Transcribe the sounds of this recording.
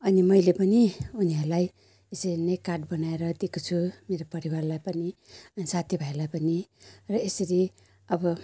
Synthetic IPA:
ʌnimʌjlepʌniuniɦʌɾlaj | esʌɾinʌjkaʈ̚bʌnaeɾʌd̪ekut͡sʰumeɾopʌɾiwarlajpʌni | ʌnisat̪ʰjibʱʌeɾlajpʌnirʌesʌɾi | ʌbʌ

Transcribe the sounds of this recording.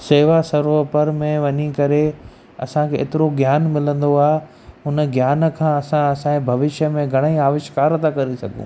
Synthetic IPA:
seːʋasɐɾopəɾmẽʋɐɲikɐɾe | ɐ̰sãkʰḛːt̪ɪɾoɡjaːnmɪlə̃nd̪oaːɦe | ɦʊnɡjaːnəkʰãːɐsãɐsãbʱɐʋɪʃjəmẽɡʱɐɽ̃əiaːʋɪʃkaːɾt̪ʰakɐɾesɐ̰ɡʱṵ̃ː

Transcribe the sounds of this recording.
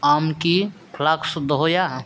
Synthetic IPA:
aːmkikʰlaksd̪ɦoja

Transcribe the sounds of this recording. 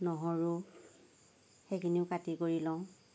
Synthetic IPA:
nɔɦɔɹʊ | xekʰiniʊkatikoɹilɔʊ̃

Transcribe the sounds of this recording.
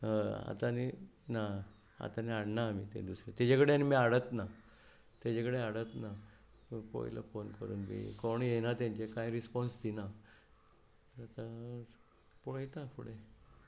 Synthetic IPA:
a̰t̪anina | a̰t̪aniaɽnaːmit̪ḛ̃d̪usɾet̪ad͡ʑakəɽeanimiaɽət̪na | t̪jad͡ʑakəɽeaɽət̪na | pɔ̰jlə̰fonkəɾṵːnmḭkoɳjenat̪ãɲt͡ɕekajɾispɔnst̪ina | t̪əɾat̪a | poɽet̪apṵɽe

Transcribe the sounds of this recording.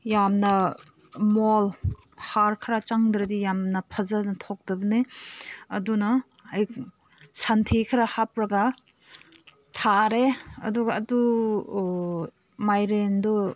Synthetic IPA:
jamnɐ | mol | haɾkʰɾat͡ʃaŋdɾɐdijamnɐpʰɐzanɐtʰɔk̚dɐbɐne | ɐdunɐ | aj | santʰikʰɾahap̚ɾɐɡa | tʰaɾeɐ̰duɡaːdu | majɾendɔ

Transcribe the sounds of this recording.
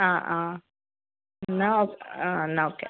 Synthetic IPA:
aʔa | naokanaoke

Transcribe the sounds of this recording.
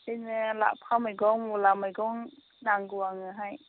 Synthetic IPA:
ɯjnɯla̰pʰamajɡɔŋulamajɡɔŋ | naŋɡuaŋɯɦaj

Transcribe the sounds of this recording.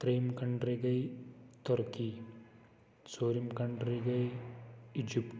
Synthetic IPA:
t̪ɾejmkɐɳɖɾiɡɐjt̪ɔɾki | soːɾimkɐɳɖɾiɡɐj | ɪd͡ʒipʈ

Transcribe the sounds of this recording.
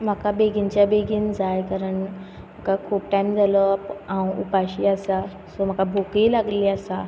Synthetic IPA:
m̤akabeɡiɲt͡ɕjabeɡiːnd͡zajkaɾəɳ | m̤akakʰuːpʈajmd͡zʱalɔpãw̃upaɕiːasa | sɔm̤akabʱokiːlaɡliːəsa

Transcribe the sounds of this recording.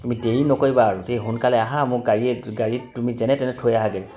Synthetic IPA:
tumideinɔkoɹibaːɹutejɦunkalɛaɦãmʊɡaɹiɛɡaɹitumizɛnɛtɛnɛtʰojaɦaɡeli

